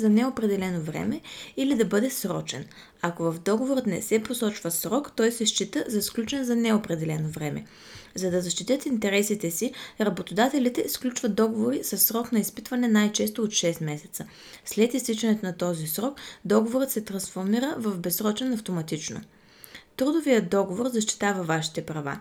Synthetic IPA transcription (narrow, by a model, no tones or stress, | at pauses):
zɐnɛopɾɛd̪ɛlɛnovɾɛ̰mɛilid̪ɐbɤd̪ɛsɾɔ̰t͡ʃɛ̰n | akovɐfd̪ɔɡovoɾət̪nɛ̰sɛposɔt͡ʃvəsɾɔkt̪ɔjsɛʃt͡ʃit̪əzɐsklʲut͡ʃɛnzɐnɛopɾɛd̪ɛlɛnovɾɛmɛ̰ | zɐd̪ɐzɐʃt̪it̪ʲət̪int̪ɛɾɛsit̪ɛsiɾɐbot̪od̪at̪ɛlit̪ɛsklʲut͡ʃvəd̪̚ɔɡovoɾisəsːɾɔknɐispit̪vɐnɛnajt͡ʃɛst̪oot̪ʃɛst̪mɛsɛ̥t̪sə | slɛt̪ist̪it͡ʃɛnɛt̪onɐt̪ɔzisɾɔkd̪ɔɡovoɾət̪sɛt̪ɾɐnsfoɾmiɾəvɐfbɛsɾɔt͡ʃɛnɐft̪omɐt̪it͡ʃno̰ | t̪ɾud̪ovijəd̪ɔɡovoɾzɐʃt̪i̥t̪avɐvaʃi̥t̪ɛpɾɐva̰